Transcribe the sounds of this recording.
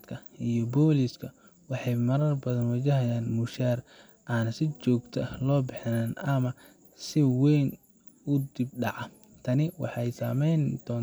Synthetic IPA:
kʰɐijɔbɔːliskʰɐ | wɑħɑjmɐɾɐrbɐðɐnwɐt͡ʃɐɦɐjaːnmʊʃaːr | ʔaːnɐsɪt͡ʃɔːɡt̪ʰɐlɔːbɪħɪnaːnɐmɐ | sɪwɛjn | ʊd̪ɪb̚ɖɑʕɑ | t̪ʰɐnɪwɑ̰ħɑjsaːmɛjnd̪̥ɔːn

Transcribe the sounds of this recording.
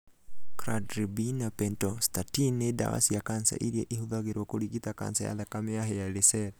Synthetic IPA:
kɾadɾibinapɛntɔstatineda̰wa̰sijakansa̰ʔiɾiɛʔihuðaɣeɾwɔkoɾiɣitaka̰nsa̰ja̰ðakameaɦɛjalesɛɾ

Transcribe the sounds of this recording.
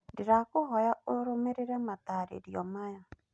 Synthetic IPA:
diɾakʊɦɔjaoɾomeɾeɾɛmataɾḛɾjɔmaja

